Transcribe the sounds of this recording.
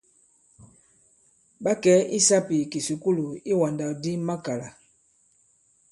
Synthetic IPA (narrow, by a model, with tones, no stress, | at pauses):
ɓa˦kɛ˨˦ʔi˦sa˦pi˨ki˨su˨ku˦lu˨i˦wã˨nda˨di˦mã˦ka˨la˨